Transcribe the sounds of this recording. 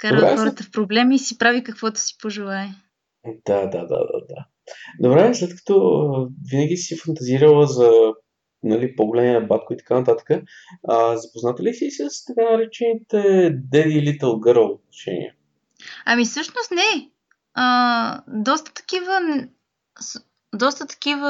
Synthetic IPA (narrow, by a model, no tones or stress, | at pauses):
kaɾɾɛ̰xɔɾt̪əfpɾoblɛmiːsipɾavikəkvɔt̪ʊ̥si̥poʒɛlˠaɛ | d̪̥ad̪a̰d̪a̰d̪a̰d̪a̰ | d̪obɾɛslɛt̪kə̥t̪ɔvinəɡ̟ʲisifɐnt̪ɐziɾəlˠəzɐ | nɐlipoɡolɛniɛbat̪̚koit̪ɐ̥kanɐt̪at̪ə̥kə | əzɐpoznat̪ɛlisisəst̪ɐkanɐɾɛt͡ʃɛnit̪ɛd̪ɛd̪iːlit̪əlˠɡɤɾəlˠot̪̚nɐʃɛ̰nḭɛ̰ | ɐmisɤʃnost̪nɛ | əd̪ɔst̪ə̥t̪ɐ̥kivən | s | d̪ɔst̪ət̪ɐ̥k̟ivə